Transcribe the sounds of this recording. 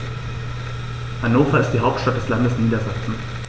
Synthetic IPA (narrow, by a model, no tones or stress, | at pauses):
hanoːfaɪstd̥iːɦaʊp̚tʃtat̚d̥ɛslandəsniːdɐzaksn̩